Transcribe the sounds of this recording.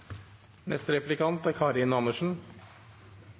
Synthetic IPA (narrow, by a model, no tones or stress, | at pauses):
nɛst̪əɾɛplɪkʰɑnt̪æːɾkʰɑːɾɪnɑnəʂn̩